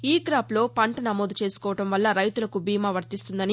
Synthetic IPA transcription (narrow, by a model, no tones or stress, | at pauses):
iːɡɾaːplo̞ːpɐɳʈɐnɐmo̞ːd̪ut͡ʃe̞ːsu̥kɔːʋɐʈɐmʋɐlːɐɾɐjt̪ulɐkubiːmaːʋɐɾt̪ist̪und̪ɐni